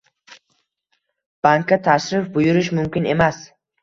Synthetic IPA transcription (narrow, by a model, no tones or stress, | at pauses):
b̥aŋkʲʰːat̪ʰaʃɾɪfbʊjʊɾɪʃmʊmkʲɪne̞mas